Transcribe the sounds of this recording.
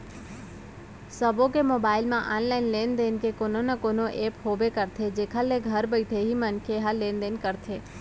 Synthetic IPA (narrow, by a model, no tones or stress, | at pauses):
səbõkemoːbaːɪlmãʔa̰ːnlaːɪnleːnd̪eːnkekoːnonakonoʔeːphoːbekəɾt̪ʰed͡ʒeːkʰaleɡʱəɾbəɪt̪ʰeɦimənkʰeɦaleːnd̪eːnkəɾt̪ʰeː